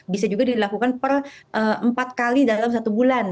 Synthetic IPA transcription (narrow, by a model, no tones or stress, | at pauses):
bisad͡ʒuɡadilakukanpərʔəəmpat̪̚kalidalamsat̪ubulan